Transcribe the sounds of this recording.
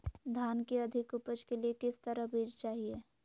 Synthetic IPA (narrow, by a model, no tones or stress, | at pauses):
d̪ʱaːnkeɐd̪ʱɪkʊpəd͡ʒkeliekɪst̪əɾəɦbʱeːd͡ʒt͡ʃaːɦieː